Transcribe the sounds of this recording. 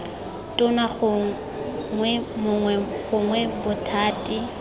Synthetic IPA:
tʼʊnaχʊ | ŋwɛmʊŋwɛɣʊŋwɛbʊtʰaːtʼi

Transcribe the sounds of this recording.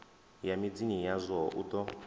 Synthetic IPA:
jamid͡zinijazʷɔʔut̪ɔ

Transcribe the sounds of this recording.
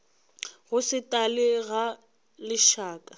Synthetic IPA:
ɣʊsɪtʼalɪɣa | lɪʃaːkʼa

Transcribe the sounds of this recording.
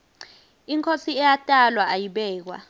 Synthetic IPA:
iŋkʰosiɛjatʼalwaʔajiɓɛːk̬wa̰

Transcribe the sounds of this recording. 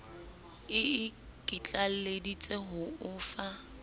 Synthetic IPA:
ɪɪkʼit͡ɬʼaledit͡sʼeɦʊʊːfa

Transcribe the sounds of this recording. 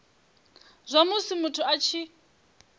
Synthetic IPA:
z̥ʷamusimutʰuat͡ʃʰi

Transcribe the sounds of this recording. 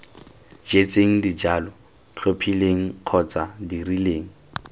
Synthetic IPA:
d͡ʒet͡sʼeŋ̩did͡ʒalɔ | ɬopʰileŋ̩q͡χʰɔt͡sadirileːŋ̩

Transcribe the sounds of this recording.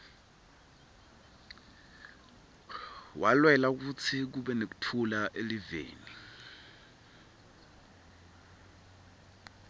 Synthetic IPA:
wʔalwɛlak̬ut͡sʰik̬uɓɛnek̬u̥tʰulaʔelivḛːni

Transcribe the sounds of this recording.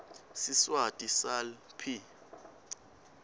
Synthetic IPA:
siswatʼisalpʰi

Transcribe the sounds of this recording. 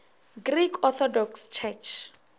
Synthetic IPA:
ɡrikʰɔt̪ʰɔdɔkst͡ʃʰɛt͡ʃʰ

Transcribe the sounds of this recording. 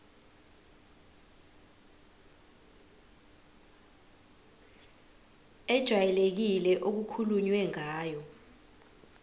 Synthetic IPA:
ɛd̥ʒ̥ʱwajɛlek̬ilɛʔok̬ukʰuluɲwɛŋaːjɔ

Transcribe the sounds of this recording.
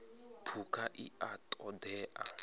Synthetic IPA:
pʰukʰaʔiatʼɔdɛːʔa̰

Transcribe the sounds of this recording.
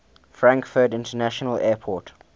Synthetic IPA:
fɹãŋkfədɪ̃ntənæʃənəlɛːpʰɔˑt

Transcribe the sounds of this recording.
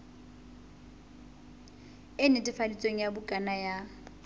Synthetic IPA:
ɪnɪtʼɪfalit͡sʼweŋ̩jabʊkʼanaja

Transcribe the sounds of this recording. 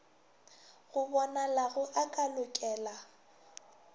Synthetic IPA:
ɣʊbɔnalaɣʊʔakʼalʊkʼɛːla

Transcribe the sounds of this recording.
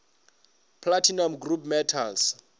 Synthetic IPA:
pʰlatʰinamɡrupʰmɛtʰas

